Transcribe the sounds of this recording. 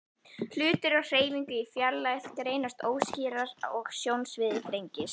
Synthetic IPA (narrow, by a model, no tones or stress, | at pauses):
l̥ʏːt̪ɪɾɔɣr̥eːjmiŋkʏifjalːaɛft̪aɾejnast̪oːwsciːɾaɾaɔɣsjownsvɪðɪt̪ɾejɲcɪs